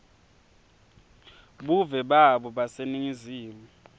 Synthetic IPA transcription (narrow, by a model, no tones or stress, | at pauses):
ɓuvɛɓaɓɔɓaseniŋiziːmu